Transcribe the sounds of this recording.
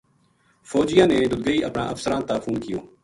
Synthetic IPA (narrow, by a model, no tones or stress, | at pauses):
fɔːd͡ʒɪjãːneːd̪ʊlɡəiːʔəpnã̰ːʔəfsəɾãːt̪aːfuːnkɪjoː